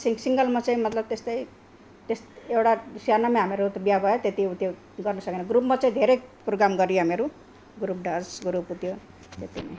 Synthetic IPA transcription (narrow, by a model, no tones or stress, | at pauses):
sisiŋɡʌlmat͡saĩmʌt̪lʌb̚t̪est̪ʌi | t̪esewɽasjanamẽɦameɾut̪bijabʱʌjet̪et̪iut̪jo | ɡʌrnʌsʌkenaɡɾupmat͡saĩd̪ʱeɾeproɡɾamɡʌɾijoɦameɾu | ɡɾup̚ɖad͡zɡuɾuput̪jo | t̪et̪imḛ